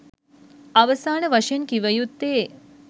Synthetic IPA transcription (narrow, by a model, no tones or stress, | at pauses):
ɐʋɐsaːɳɐʋɐʃɐnkiʋɐjut̪ːeː